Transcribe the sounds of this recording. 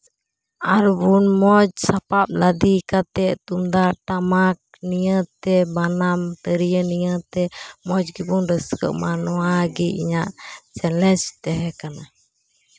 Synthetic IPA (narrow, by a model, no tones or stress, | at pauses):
aɾbunmɔd͡ʒsapap̚lad̪ikat̪ɛʔt̪umd̪aʈamak̚nijət̪ɛbanamt̪əɾijənijət̪ɛmɔd͡ʒɡibunɾəskə̰ʔmanɔwaɡiḭɲaʔt͡ʃɛlɛt͡ʃt̪ɛɦɛkana